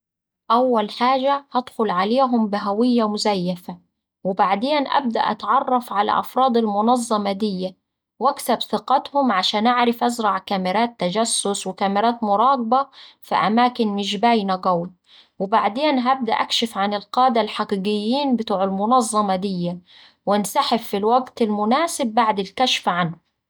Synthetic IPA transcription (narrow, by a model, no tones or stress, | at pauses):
ʔawːalħaːʒahad̪xʊlʕaleːɦʊmbɪɦawɪjːamʊzajːafa | wɪbaʕd̪eːnʔa̰b̚d̪a̰ʔa̰t̪ʕɑrˤːɑfʕala̰ʔɑfɾˤɑːd̪almʊnɑzˤːɑmɑd̪ɪjːa | wʔaksabθɪqɑt̪hʊmʕaʃaːnʔaʕɾˤɪfʔazɾˤɑʕkamɪɾaːt̪ːad͡ʒasːʊswɪkamɪɾaːt̪mʊɾˤɑːɡbɑfḭʔa̰maːkɪnmɪʃ̬baːjnaɡawi | wɪbaʕd̪eːnɦab̚d̪a̰ʔakʃɪfʕanɪlqɑːd̪alħaqiːɡɪjːiːnbɪt̪uːʕɪlmʊnɑzˤːɑmɑd̪ɪjːa | wɪnsaħɪbfilwaɡt̪ɪlmʊnaːsɪbːaʕd̪ɪlkaʃfʕanhʊ